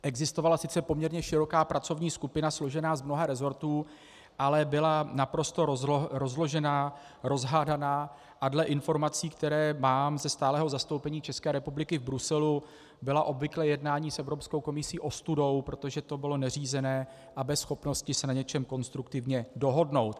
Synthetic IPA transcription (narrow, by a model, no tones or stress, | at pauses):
ʔɛɡzɪst̪o̞valasɪt͡sɛpo̞mɲɛɾɲɛʃɪɾo̞kaːpɾʔat͡so̞vɲiːskupɪnaslo̞ʒɛnaːzmno̞ɦaɾɛzo̞ɾt̪uː | ʔalɛbɪlanapɾo̞st̪o̞ɾo̞zlo̞ʒɛnaː | ɾo̞zɦaːdanaː | ʔadlɛʔɪnfo̞ɾmat͡siːkt̪ɛɾɛːmaːmzɛst̪aːlɛːɦo̞zast̪o̞wpɛɲiːt͡ʃɛskɛːɾɛpublɪkɪvbɾusɛlu | bɪlaʔo̞bvɪklɛːjɛdnaːɲiːsʔɛvɾopsko̞wko̞mɪsiːʔo̞st̪udo̞wpɾo̞t̪oʒɛt̪o̞bɪlo̞nɛriːzɛnɛː | ʔabɛsxo̞pno̞scɪsɛnaɲɛt͡ʃɛmko̞nst̪ɾukt̪ɪvɲɛdo̞ɦo̞dno̞wt̪